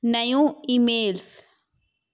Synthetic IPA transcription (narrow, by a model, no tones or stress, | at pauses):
najũimels